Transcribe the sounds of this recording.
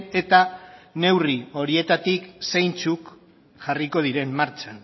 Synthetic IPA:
e̞t̪ane̞wrio̞ɾie̞t̪at̪iksejnt͡suk | ʝariko̞ð̞iɾe̞mːaɾt͡ʃan

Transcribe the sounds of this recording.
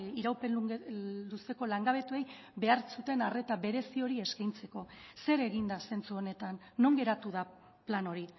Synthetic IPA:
iɾawpe̞lulust̪e̞ko̞laŋɡaβ̞e̞t̪ue̞j | βe̞aɾsut̪e̞nare̞t̪aβe̞ɾe̞sio̞ɾie̞skajnt͡se̞ko̞se̞ɾe̞ɣind̪ase̞nt͡suo̞ne̞t̪anːo̞ŋɡe̞ɾat̪uð̞a | plano̞ɾi

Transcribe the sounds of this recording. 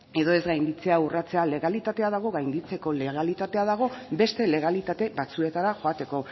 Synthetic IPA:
e̞ðo̞e̞zɡajnd̪it͡se̞aurat͡se̞ale̞ɣalit̪at̪e̞aðaɣ̞o̞ɣajnd̪it͡se̞ko̞le̞ɣ̞alit̪at̪e̞aðaɣ̞o̞be̞st̪e̞le̞ɣalit̪at̪e̞bat͡sue̞t̪aɾaxo̞at̪e̞ko̞

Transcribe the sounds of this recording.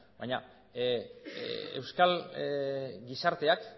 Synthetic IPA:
bajɲa | ewskal | ɡisaɾt̪e̞ak

